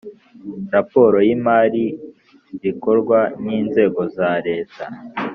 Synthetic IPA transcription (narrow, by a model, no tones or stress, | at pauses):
ɾapo̞ːɾo̞jimaːɾi | βiko̞ɾɡwaniːnze̞ːɡo̞zaɾe̞ːta